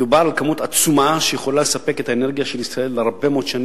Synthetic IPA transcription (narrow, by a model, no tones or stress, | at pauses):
dubaʁalkamut̪at͡sumaʃejeχo̞lale̞sape̞ke̞t̪haene̞ʁɡijaʃelisʁae̞lːeʁbemot̪ʃan